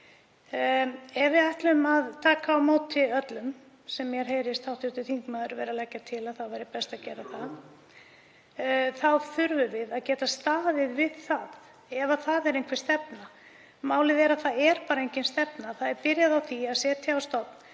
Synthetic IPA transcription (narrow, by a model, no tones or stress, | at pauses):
ɛvɪajht̪lʏmaðt̪ʰaːkaːwmoːwt̪ʰːɪlœt̪lʏm | sɛmːjɛɾ̥ɦeːjɾɪst̪ʰawht̪ɪt̪ʏθiŋkmaðʏɾvɛːɾalɛcːat̪ʰɪlaðθaðvajɾɪpɛst̪acɛːɾaθa | θaðθʏɾvʏvɪðaðcɛːt̪ast̪aːðɪðvɪðθað | ɛvaθaðɛɾejnkʰfvɪɾ̥st̪ɛpna | maːwlɪðɛɾaðθaɛɾpaːɾaejɲcɪnst̪ɛpnaθaðɛɾpɪɾjaðawθiaðsɛːt̪ʰɪawst̪ɔp̪n